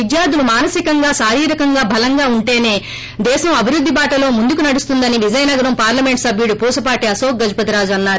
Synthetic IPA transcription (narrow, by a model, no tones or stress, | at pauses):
id͡ʒ̪jaːd̪ulumaːnɐsikɐŋɡaːsaːɾiːɾɐkɐŋɡaːbʱɐlɐŋɡaːuɳʈe̞ːne̞ː | d̪ɛːʃɐmɐbʱiɾud̪ʱːibaːʈɐlo̞ːmund̪ukunɐɽust̪und̪ɐniʋid͡ʒɐjɐnɐɡɐɾɐmpaːɾlɐme̞ɳʈsɐbʱjuɽupuːsɐpaːʈiɐsoːk̚ɡɐd͡ʒupɐt̪iɾaːd͡ʒuɐnːaːɾu